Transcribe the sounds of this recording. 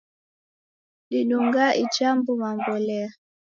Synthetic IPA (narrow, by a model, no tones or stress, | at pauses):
ɗiɗuŋɡaʔit͡ʃambumambɔlɛa